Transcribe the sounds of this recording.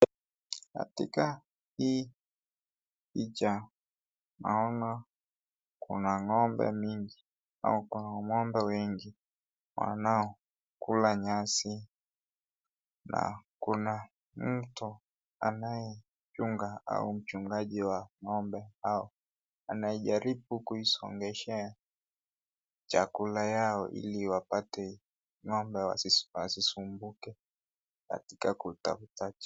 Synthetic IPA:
ka̰tika | hiː | it͡ʃa | naɔna | kṵnaŋɔmbɛ̰miŋɡi | a̰ukunaŋɔmbɛwɛŋɡi | wa̰naɔ | kulaɲasi | na̰kuna | m̩tu | a̰najɛ | t͡ʃuŋɡaa̰um̩t͡ʃuŋɡaʄiwaŋɔmbɛhaɔ | anaɛʄaɾiɓukuisɔ̰ŋɡɛʃɛa | t͡ʃakulajaɔʔḭliwapatɛ | ŋɔmbɛwa̰wasisumbukɛ | ka̰tikakuta̰futat͡ʃḁ

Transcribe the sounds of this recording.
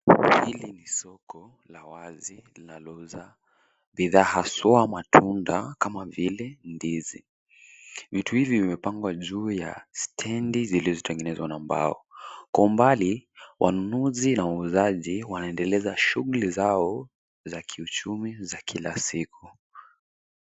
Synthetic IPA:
hilinisɔkɔ | lawazilinalɔuza | biðaːhasɔamatʰundakamavilɛndizḭ | vituhivivimɛpaŋɡwaʄuːja̰stʰɛndizilizɔtɛŋɡɛnɛzwanamba̰ɔkwaumbaliwʔanunuzinawauzaʄiwanaɛndɛlɛzaʃuɣulizaɔ | zakʰiut͡ʃumizakʰilasiku

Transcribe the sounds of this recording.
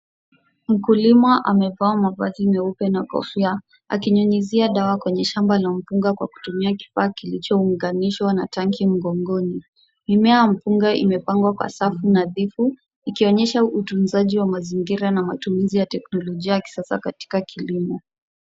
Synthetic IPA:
m̩kulimaʔamɛvawamavazimɛupɛnakɔ̰fia | a̰kiɲuɲiziaɗawakwɛɲɛʃambalam̩puŋɡakwa̰ku̥tumiaki̥faːkilit͡ʃɔuŋɡaniʃwanataŋkim̩ɡɔŋɡɔni | mimɛajam̩puŋɡaʔḭmɛpaŋɡwakwa̰safunaðifu | ikiɔɲɛʃautunzaʄiwamaziŋɡiɾanamatumizijatɛknɔlɔʄiajaki̥sasa̰kati̥kakʰilimɔ

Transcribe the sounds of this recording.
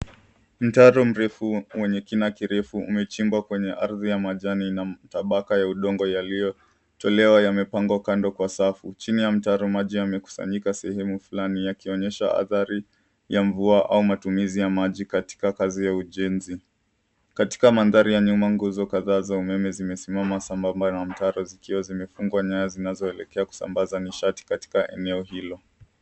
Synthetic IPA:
m̩taɾɔm̩ɾɛfuwɛɲɛkinakiɾɛfuṵmɛt͡ʃimbwakwɛɲɛʔaɾðijamaʄaninataɓakajauɗɔŋɡɔjalijɔ | tɔlɛwajamɛpaŋɡwakandɔkwasafut͡ʃinijam̩taɾɔmaʄiamɛku̥sa̰ɲikasɛhɛmufulanijakiɔɲɛʃa̰a̰θaɾi | jaɱvuaʔa̰umatumizijamaʄikati̥kakazijauʄɛnzi | kati̥kamanðaɾijaɲumaŋɡuzɔkaðaːzaumɛmɛzimɛsimamasambambanam̩taɾɔzikiwazimɛfuŋɡwaɲajazinazɔɛlɛkɛaku̥sa̰mbazaniʃati̥kati̥kaʔɛ̰nɛɔhilɔ

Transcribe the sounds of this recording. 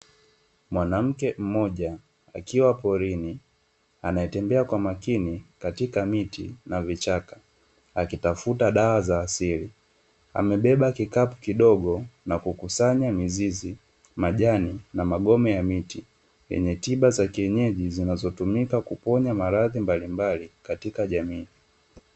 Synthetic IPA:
mwanam̩kɛm̩mɔʄa | akiwapɔɾini | anaɛtɛmbɛakwamakinikatikamitḭnavit͡ʃakḁ | akitafutaɗawazaːsiɾi | a̰mɛɓɛɓakikapukiɗɔɠɔnakukusaɲamizizi | maʄaninamaɠɔmɛjamiti | jɛ̰ɲɛtiɓazakiɛɲɛʄizinazɔtumikakupɔɲamaɾaðimbalimbalikatikaʄamiː

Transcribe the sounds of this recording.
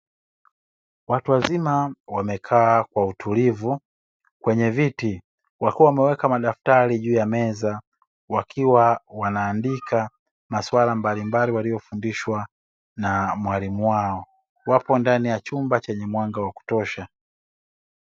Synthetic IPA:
watuwazimawamɛkʰaːkwautulivu | kwɛɲɛviti | wakiwawamɛwɛkamaɗaftaɾiʄuːjamɛza | wakʰiwawanaːndikʰa | maswalambalimbaliwalijɔfundiʃwa | namwalimuwaɔ | wapɔndanijat͡ʃumbat͡ʃɛɲɛmwaŋɡawaku̥tɔʃa

